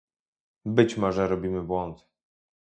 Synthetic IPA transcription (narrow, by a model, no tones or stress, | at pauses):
bɘt͡ɕmɔʐɛɾɔbʲimɘbwɔnt̪